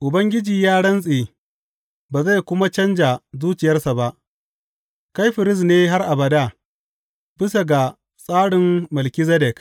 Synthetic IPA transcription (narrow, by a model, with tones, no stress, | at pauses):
ʔʊ˨bɐ˦ŋɡʲɪ˦d͡ʒiː˨jaː˦ɽɐ˦nsʼeː˨ | baː˨za˦˨jkʷʊ˦ma˦t͡ʃɐ˦nd͡ʒa˨zuː˦t͡ʃɪ˨jɐ˦rsa˨ba˦ʔ | ka˦jɸɪ˨ɾɪ˦s̬neː˦ɦa˦rʔa˨bɐ˨da˦ | bɪ˦sa˨ɡa˨ | sʼaː˦ɽɪ˨mːɐ˨lkʲi˦zɛ˦dɛ˨k